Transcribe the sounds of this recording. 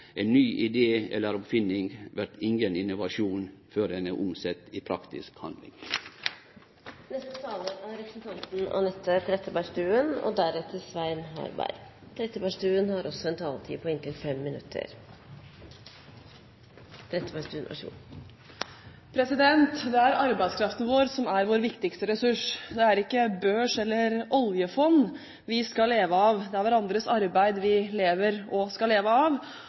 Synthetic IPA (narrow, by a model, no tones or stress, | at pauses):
ʔɛɪnnyːʔɪd̪eːɛ̰lːəɾɔpfɪnːɪŋʋæɾt̪ɪŋɡənɪnʊʋɑʃuːnføːɾd̪ɛnəʔʊmsɛt̪ːɪpʰɾɑkt̪ɪ̰skhɑ̰nd̪lɪ̰ŋ | nɛst̪ət̪ʰɑːləʔæɾɛpɾəsnt̪ʰɑnt̪n̩ʔɔ̰nɛt̪ʰːət̪ʰɾɛt̪ːəbæʂt̪ʉːənɔ̰d̪æɾɛt̪ʰːəsʋæɪnɦɑ̰ɾbæ̰ɪt̪ʰɾɛt̪ːəbæʂt̪ʉːənhɑɾʔɔsːɔɛnt̪ʰɑːlt̪ʰḭːpʰɔɪnt̪ʰɪlfɛmːɪnʉ̰t̪ʰːə̰ɾ | d̪̥ɾɛt̪ːəpæʂt̪ʉːnʋɑ̰ʂṵː | pʰɾɛsɪd̪ɛnt̪d̪ɛæɾɑɾbæɪskʰɾɑft̪nəʋoːɾsɔmæɾʋoːɾʋɪkt̪ɪkst̪əɾɛsʉʂd̪ɛæɾɪkːəbøːʂɛlːəɾɔljəfɔnː | ʋɪskɑllːeːʋəɑːʋd̪ɛæɾʋæɾɑnd̪ɾəsɑɾbæɪd̪ʋɪleːʋəɾɔskɑleːʋəɑːʋ